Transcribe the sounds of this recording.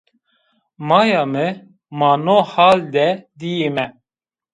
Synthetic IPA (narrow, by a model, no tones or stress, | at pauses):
mɑːjɑːmɨ | mɑːnoːhaːld̪ɛd̪ijemɛ